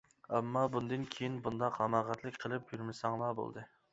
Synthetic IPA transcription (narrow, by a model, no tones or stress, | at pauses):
ɛmːɑbund̪ɨnkʲʰejinbund̪ɑqhɑmɑʁɑt̪ʰlˠɨk̚ʲqʰəlˠɨp̚jyɾmɪsɑŋlˠɑbo̰lˠd̪ɨ